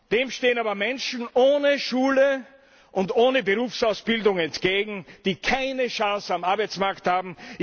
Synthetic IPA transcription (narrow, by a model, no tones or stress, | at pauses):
d̥eːmʃteːənaːbɐmɛnʃn̩ʔoːnəʃuːlə | ʔʊndoːnəbəʁuːfsaʊsb̥ɪldʊŋɛntɡ̥eːɡŋ̩d̥iːkʰaɪnəʃãːsamaɐbaɪt͡smaɐkthaːbm̩